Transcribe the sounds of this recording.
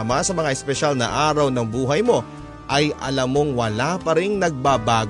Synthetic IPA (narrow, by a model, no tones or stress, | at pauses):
mɐsɐmɐŋaʔɛspɛʃalnɐ̰ʔaːɾɐwnɐŋbuːɦɐjmo̞ | ʔɐjʔɐlɐmo̞ŋwɐlapɐɾɪŋnɐɡ̚baːbaːɡ